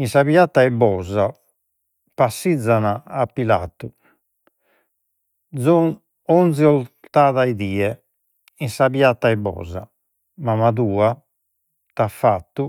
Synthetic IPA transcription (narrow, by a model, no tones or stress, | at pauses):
insaβiat̪ːaɛbɔːza | pasːid̪zːanaːpːila̰t̪ːu | d̪zɔ | ɔnziɔlt̪aːðaiðiːɛ | insaβiat̪ːaɛbɔ̰ːza̰ | mamaðuːa | t̪afːat̪ːu